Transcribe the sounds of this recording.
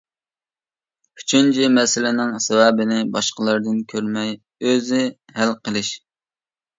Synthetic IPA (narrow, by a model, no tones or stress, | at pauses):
y̥t͡ʃʰynt͡ʃʰimɛsɪlɪnɪŋsɛwɛbɪnɪbɑʃqəlˠəɾd̪ɨnkʲʰøɾmɛj | øzɪ | hælqəlˠɪʃ